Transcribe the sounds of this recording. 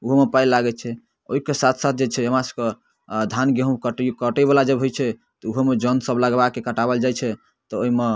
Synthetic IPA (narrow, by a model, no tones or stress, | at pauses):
uɦomepajlaɡɛt͡ʃʰɛ | oɦikesat̪ʰsat̪̚ʰd͡ʒet͡ʃʰɛəmasə̥ke | d̪ʱanɡeɦũkəʈkəʈɛbalad͡ʒəbɦojt͡ʃʰɛ | t̪ɔuɦemed͡ʒənsəbləɡbakekəʈabəld͡ʒajt͡ʃʰɛ | t̪ɔoime